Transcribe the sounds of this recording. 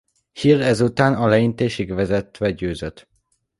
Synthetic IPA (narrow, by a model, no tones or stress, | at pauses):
hirɛzut̪aːnɒlɛint̪eːʃiɡʋɛzɛt̪ʋɛɟøːzøt̪